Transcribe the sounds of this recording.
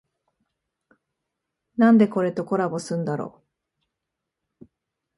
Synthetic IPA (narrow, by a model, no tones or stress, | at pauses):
nãnd̪e̞ko̞ɾe̞t̪o̞ko̞ɾabo̞sɨ̃nd̪aɾo̞̰ː